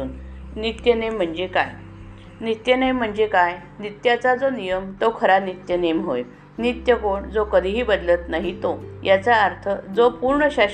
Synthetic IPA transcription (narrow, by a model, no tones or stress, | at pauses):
uːnnit̪jənem̤ːəɳd͡ʑekaj | nit̪jənejm̤ːəɳd͡zekaj | nit̪jat͡sad͡zonijəmt̪okʰəɾanit̪jənemɦoj | nit̪jəkoɳd͡zokəd̪ʱiɦiːbəd̪lət̪naɦit̪ojat͡saːɾt̪ʰəd͡zopuɾɳəɕa